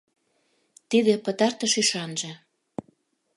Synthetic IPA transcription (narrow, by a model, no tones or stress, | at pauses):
t̪id̪epə̆t̪ɑrt̪ə̆ʃyʃɑnʒĕ